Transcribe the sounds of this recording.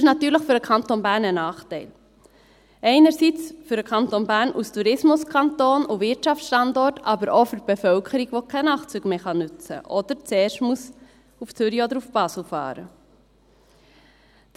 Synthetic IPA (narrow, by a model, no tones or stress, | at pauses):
ɪʃnɑt̪yːɾləχfʏɾəkʰɑntonbæːɾnənɑːχtɛɪl | ʔɛɪnəɾsit͡sfʏɾəkʰɑnt̪onbæːɾnustʰuɾɪsmʊskʰɑntoːnʊvɪtt͡ʃɑft͡sʃtɑndɔɾtɑbəɾʔofʏɾb̥efœlkʰəɾiɡʋokʰɛnɑːχt͡syːɡ̥meːχɑnʉt͡sə̰ʔɔd̥̪əɾt͡sɛːɾʃtmus | uft͡sʏɾiod̪əɾufb̥ɑsl̩fɑ̰ːɾə